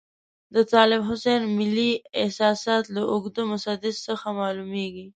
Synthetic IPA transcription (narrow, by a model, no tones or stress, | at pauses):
d̪ət̪ɑlɪbɦʊsenmɪliɪhsɑsɑt̪laʔʊɡd̪omʊsad̪ɪd̪səxamɑlumeɡi